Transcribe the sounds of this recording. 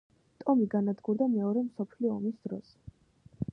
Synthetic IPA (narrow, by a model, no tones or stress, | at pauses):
t̪ʼɔmiɡanad̪ɡuɾd̪amɛɔɾɛmsɔpʰliɔːmisd̪̥ɾɔ̰s